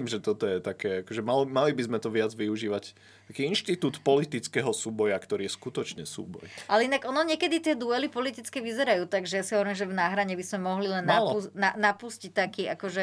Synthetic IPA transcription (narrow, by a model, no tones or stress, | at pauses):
mʒɛt̪ɔt̪ɔjɛt̪akɛakɔʒɛmalmalibizmɛt̪ɔʋɪad͡zʋiuʒiːʋac | t̪akiːinʃt̪it̪uːt̪pɔlit̪it͡skɛɦɔsuːbɔjakt̪ɔɾiːjɛskut̪ɔt͡ʃɲɛsṵːbɔ̰jʔalɛinaɡɔnɔɲɛkɛd̪it̪ɪɛd̪uɛlipɔlit̪it͡skɛʋizɛɾajuːt̪aɡʒɛjasiɦɔʋɔɾimʒɛvnaːɦɾaɲɛbizmɛmɔɦlilɛnːaunanapuscict̪akiːakɔʒɛ